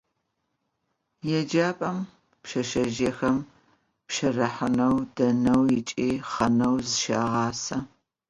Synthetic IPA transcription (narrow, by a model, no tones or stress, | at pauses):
jɛd͡ʒaːpʼɐm | pʃɐʃɐʒexɐm | pʃɐrɐħənɐwdɐnɐwjɪt͡ʃʼiːχɐnɐwzɨʃa̰ːʁɑːsɐ